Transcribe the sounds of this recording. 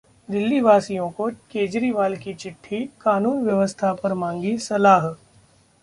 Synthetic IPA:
d̪ɪlːiʋaːsijõkokeːd͡ʒɾiʋaːlkit͡ʃɪʈʰːikaːnuːnʋjɐʋəst̪ʰapɐɾmãːŋɡisɐlaːɦ

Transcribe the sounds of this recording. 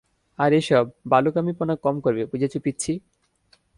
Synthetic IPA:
aɾeʃɔbːalokamiponakɔmkoɾbepud͡ʑat͡ɕʰupitːt͡ɕʰi

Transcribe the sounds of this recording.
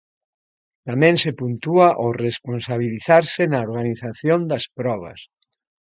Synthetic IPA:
t̪amẽnsepunt̪uaʔoresponsaβ̞iliθaɾsenaoɾɣaniθaθjond̪ɐspɾɔβ̞a̰s

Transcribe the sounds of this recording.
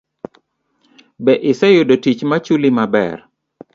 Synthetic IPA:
bɛʔɪsɛjʊdotit͡ʃmat͡ʃulimabɛ̰r

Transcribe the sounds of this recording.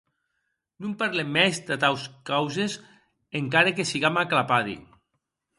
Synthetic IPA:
numpaɾlemːɛzd̪at̪awskawzez | eŋkaɾekesiɣamaklapaðḭ

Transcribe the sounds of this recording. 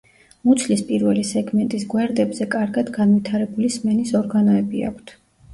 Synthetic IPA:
mut̪sʰlispʼiɾvɛlisɛɡmɛnt̪ʼisɡwɛɾd̪ɛbzɛkʼaɾɡad̪ɡanvit̪ʰaɾɛbulismɛnisɔɾɡanɔɛbia̰kʰt̪ʰ

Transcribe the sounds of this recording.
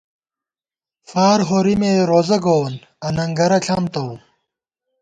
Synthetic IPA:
faːɾɦoːɾimeːɾoːzɐɡoːn | ɐnɐŋɡɐɾɐɬʰɐmt̪ɐw

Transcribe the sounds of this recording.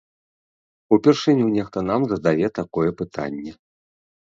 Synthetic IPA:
upʲɛrʂɨnʲunʲɛxt̪ɐnamzɐzd̪avʲɛt̪akɔjɛpɨt̪ʰa̰nʲːɛ

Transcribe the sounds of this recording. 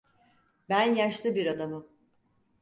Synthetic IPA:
bænjaʃt̪ʰɯbiɾad̪amɯ

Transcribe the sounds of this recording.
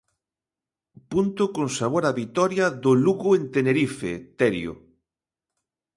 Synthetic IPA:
punt̪ʊkoŋsaβ̞oɾaβit̪ɔɾjɐðʊluɣʊent̪eneɾifḛt̪ɛɾjo̰

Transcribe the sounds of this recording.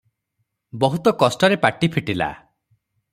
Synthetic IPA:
bɔɦut̪ɔkɔsʈɔɾepaʈipʰiʈila̰

